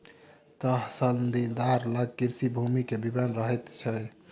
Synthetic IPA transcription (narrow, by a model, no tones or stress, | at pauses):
t̪əɦsənd̪id̪aɾləɡ̚kiɾsibʱumikebibənɾəɦɛt̪t͡ʃʰɛ